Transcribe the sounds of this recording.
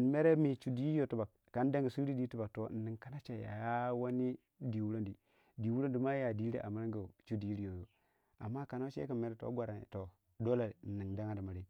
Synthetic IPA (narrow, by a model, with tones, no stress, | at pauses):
n˨me˦ɾe˦mi˨t͡ʃu˨di˨˦i˦jo˨tu˨ba˨k̚ka˨˦n˦da˦ŋɡi˨su˦i˦di˦tu˦ba˨k̚to˨n̩˨ni˨ŋka˨˦na˦t͡ʃe˨ja̰˨a˦wa˦ni˦ | di˨wu˦ɾo˦ndi˨ | di˨wu˦ɾo˦ndi˨ma˦ja˨di˦ɾḭ˦ʔa̰˨mi˦ɾa˦ŋɡa˨t͡ʃu˦di˨i˦i˦jo˨jo˨ | a̰˨mːa˦ka˨no˦t͡ʃḛ˦ki˨me˦ɾe˦to̰˦ɡʷa˨ɾa˨n̰˨to˨ | do˦la˨n̩˨ni˨ŋda˦ŋa˦di˨ma˨ɾi˦